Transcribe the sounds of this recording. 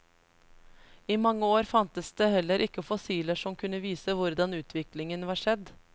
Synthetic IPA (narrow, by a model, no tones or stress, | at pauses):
iːmɑŋːəoːɾfɑnt̪əsd̪̥eːhɛlːəɾʔɪkːəfɔsiːləʂɔmkʰʉnəʋiːsəʋʊɾd̪ɑnʉːt̪ʰʋɪklɪŋənʋɑːʂɛd̪